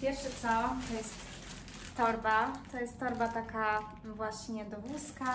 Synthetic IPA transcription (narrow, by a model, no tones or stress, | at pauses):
pʲjɛɾfʂɛt̪sɔt̪ɔjɛst̪ː | ɔɾbat̪ɔjɛst̪ːɔɾbat̪aka | vwaɕɲɛd̪ɔvuska